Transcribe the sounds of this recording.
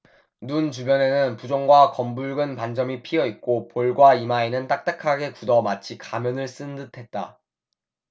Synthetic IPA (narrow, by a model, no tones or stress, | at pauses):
nunt͡ɕubjʌne̞nɯnpud͡ʑoŋɡwakʌmbuɭɡɯnpand͡ʑʌmipʰiʌit̚k͈opoɭɡwaimaenɯnt͈ak̚t͈akʰaɡe̞kudʌmat͡ɕʰikamjʌnɯɭs͈ɯndɯtʰe̞t̚t͈a